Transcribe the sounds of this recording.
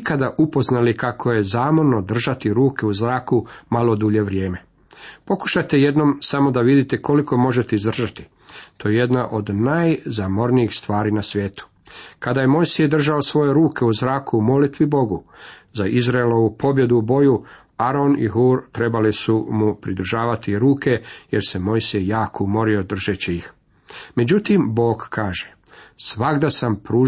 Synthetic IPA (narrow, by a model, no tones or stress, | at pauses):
kad̪aʔupo̞znalikakʰo̞je̞zaːmo̞ɾno̞d̪r̩ʒat̪iɾuːke̞uzɾaːkumalˠo̞d̪uʎe̞ʋɾje̞ːme̞ | po̞ku̥ʃajt̪e̞je̞d̪no̞msamo̞d̪aʋid̪it̪eko̞liko̞mo̞ʒet̪eizd̪r̩ʒat̪i̥ | t̪ojeje̞d̪naʔo̞d̪najzamo̞ɾniixst̪ʋaːɾiːnasʋʲje̞ːt̪u̥ | kad̪aːje̞mo̞jsijd̪r̩ʒao̞sʋo̞je̞ɾuːke̞uzɾaːkʰuumo̞lit̪ʋibo̞ɡuzaʔizɾaelo̞ʋupʰo̞bje̞d̪ubo̞ju | aɾo̞nḭɦuːɾt̪ɾe̞balisumupɾid̪ɾ̩ʒaːʋat̪iɾuːke̞jeɾse̞mo̞jsejjaːkoumo̞ɾio̞d̪r̩ʒet͡ɕiix | me̞d͡ʑut̪imbo̞ːɡkʰaːʒesʋaɡd̪asampɾuː